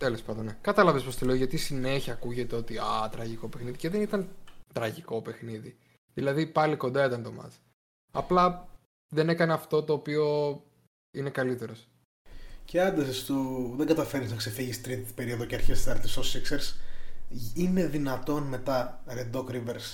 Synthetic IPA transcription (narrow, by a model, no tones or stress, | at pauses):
t̪ele̞spɐnd̪onekɐt̪ɐlɐvespost̪ole̞oʝɐt̪isine̞çiɐkuʝe̞t̪eo̞t̪iɐt̪ɾɐʝiko̞pexniðice̞ðe̞nit̪ɐnt̪ɾɐʝiko̞pe̞xniði | ðilɐðipɐliko̞nd̪ɐit̪ɐnt̪o̞mɐ̰z̥ | ɐ̰plɐ | ðe̞ne̞kɐneɐft̪o̞t̪o̞ːpio̞ | ine̞kɐlit̪e̞ɾo̞s | ceɐnd̪ɐsest̪uðeŋɡɐt̪ɐfe̞ɾisnɐkse̞fiʝist̪i̥t̪ɾit̪t̪i̥pe̞ɾio̞ðoceɐɾçest̪isɐɾt̪isosikseɾis | ine̞ðinɐt̪o̞nme̞t̪ɐɾed̪okɾiveɾs